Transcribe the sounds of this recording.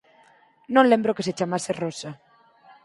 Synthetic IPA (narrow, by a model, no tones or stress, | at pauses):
nõnlẽmbɾokeset͡ʃamaserosa